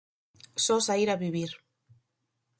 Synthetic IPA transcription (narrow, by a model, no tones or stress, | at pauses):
sosaiɾaβiβiɾ